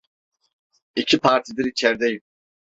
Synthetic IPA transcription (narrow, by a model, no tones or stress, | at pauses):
icʰipʰaɾt̪ʰid̪iɾit͡ʃʰɛɾd̪ɛji